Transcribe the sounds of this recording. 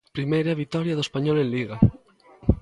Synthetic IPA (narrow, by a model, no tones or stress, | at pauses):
pɾimejɾaβit̪ɔɾjaðoespaɲɔlẽnliɣa